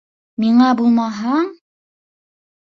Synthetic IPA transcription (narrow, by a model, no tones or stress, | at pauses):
miɴɑbulˠmɑɦɑɴ